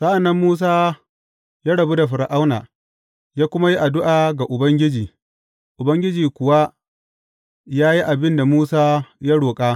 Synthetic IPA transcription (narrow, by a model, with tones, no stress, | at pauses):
sa˦ʔa˨nːɐ˦mːuː˦s̬aː˦ | jaː˦ɽɐ˨bu˦da˨ɸɪ˨ɾa˨ʔa˦wna̰ː˨ | jaː˦kʷʊ˦ma˦ji˦ʔa˨dʊ˦ʔaː˨ɡa˨ʔʊ˨bɐ˦ŋɡʲɪ˦d͡ʒiː˨ | ʔʊ˨bɐ˦ŋɡʲɪ˦d͡ʒiː˨kʷʊ˨wa˦ | jaː˦ji˦ʔa˨bɪ˦nda˨muː˦saː˦ja˦ɽoː˨kʼaː˦